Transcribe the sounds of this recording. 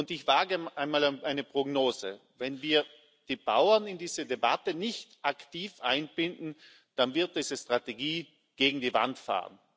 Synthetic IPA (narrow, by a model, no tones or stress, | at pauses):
ʊntɪçv̥aːɡəʔaɪnmaːlʔaɪnəpʁ̥ɔɡnoːzə̰vɛnviːɐ | d̥iːb̥a̰ʊɐnɪndiːzədeba̰tənɪçtʔaktiːfʔa̰ɪnb̥ɪndn̩ | d̥anvɪɐt̚d̥iːzəstʁ̥ateɡiː | ɡ̥eːɡŋ̩diːva̰ntfa̰ːʁən